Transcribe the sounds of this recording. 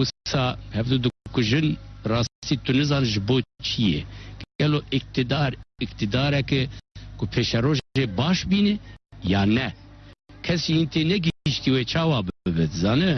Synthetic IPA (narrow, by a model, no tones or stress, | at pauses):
ussɑːhɛvd̪ud̪ɨkʊʒɨnrɑːst̪it̪ʊnɨzɑːnʒɨboːt͡ʃʰijɛ̰ɡɛloːʔɪk̚t̪ɨd̪ɑːɾɪkt̪ɨd̪ɑːɾɛkɨkʰʊpʰeːʃɛɾoːʒʒeːbɑːʃbiːnɨjɑːnɛ | kʰɛsʒiint̪ʰeːnɛɡiiʃt̪iːweːt͡ʃʰɑːwɑːbɨbɨt̪zɑːnɨ